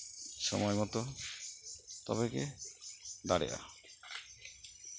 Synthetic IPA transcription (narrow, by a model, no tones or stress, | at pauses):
ʃɔmɔjmɔt̪ɔ | t̪ɔbeke | d̪aɽḛʔa̰